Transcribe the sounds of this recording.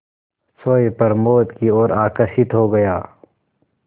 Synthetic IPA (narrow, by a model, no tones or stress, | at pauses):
soːepɐɾmoːt̪kioːɾaːkɐsɪt̪ɦoɡɐjaː